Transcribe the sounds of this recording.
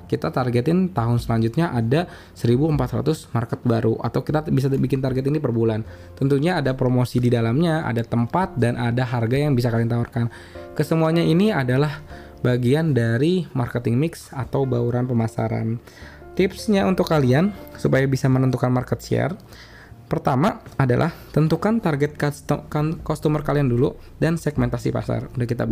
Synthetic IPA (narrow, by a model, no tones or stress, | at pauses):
kit̪at̪arɡɛt̪ɪnt̪aɦʊnsəlaɲd͡ʒut̪̚ɲaʔada | səɾibuəmpat̪ɾa̰t̪ʊsmarkət̪̚baɾuʔa̰t̪awkit̪abis̬abikɪnt̪arɡɛt̪inipərbulan | t̪ənt̪uɲaːdapɾomosididalamɲaa̰dat̪əmpat̪̚danʔadaɦarɡajaŋbis̬akalɪnt̪aarkan | kəsəmuaɲainiadalah | baɡiandaɾimarkət̪ɪŋmɪksat̪awbauɾanpəmasa̰ɾa̰n | t̪ɪpsɲaunt̪ʊkːaliansupajabisamənənt̪ukanmarkət̪̚ʃɛ̰r | pərt̪amaadalʔa̰ht̪ənt̪ukant̪arɡɛt̪̚kkkɔst̪umərkaliandulu | dansɛɡmɛnt̪asḭpa̰sa̰rundakit̪a̰b